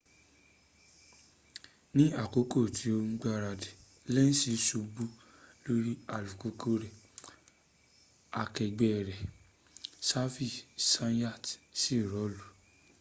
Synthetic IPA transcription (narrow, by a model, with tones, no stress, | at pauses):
nĩ˦a˦˨ko˨˦ko˦˨tʰi˨˦o˧ŋ͡m̩˦ɡ͡ba˧ɾa˧de˨ | lɛ˦n̩˦si˨˧˦su˧bu˦lo˦ɾi˦a˨lu˨ko˧˦ko˧ɾɛ˨ | a˧kɛ˨ɡ͡bɛ˨ɾɛ˨ | sa˦fi˦˨sã˦n˦ja˦˨tsi˦˨ɾɔ˨˦lu˨